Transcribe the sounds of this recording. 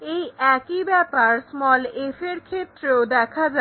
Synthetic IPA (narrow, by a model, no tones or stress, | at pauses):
ejʔɛkibɛpaɾsmɔlefeɾkʰet̪ːɾeod̪ɛkʰad͡ʑa